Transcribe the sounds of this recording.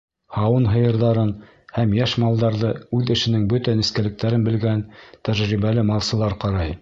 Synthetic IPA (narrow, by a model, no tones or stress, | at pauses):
hɑwɤnɦɤ̆jɤ̆ɾðɑɾɤn | hæmjæʃmɑlˠd̪ɑɾðɤʉðɘ̆ʃɘ̆nɘŋbɵt̪ænĭskælɘ̆k̚t̪æɾɘnbɘ̆lɡænt̪æʒɾiβælɘmɑlˠsɤ̆lˠɑɾqɑɾɑj